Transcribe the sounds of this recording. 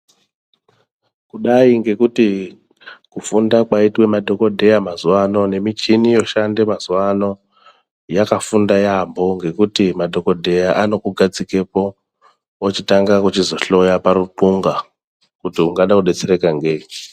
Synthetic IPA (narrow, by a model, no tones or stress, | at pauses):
kuɗaiŋɡe̞kuti | kufundakwaitwe̞madʱo̞ko̞dʱe̞jamazuwano̞ne̞mit͡ʃinijo̞ʃande̞mazuwano̞ | jakafundajambo̞ŋɡe̞kutimadʱo̞ko̞dʱe̞jaʔano̞kuɡʱad͡zike̞po̞ | ot͡ʃitaŋɡakut͡ʃizo̞ɬo̞japaɾuǃuŋɡa | kutiuŋɡaɗakuɗe̞t͡se̞ɾe̞kaŋɡe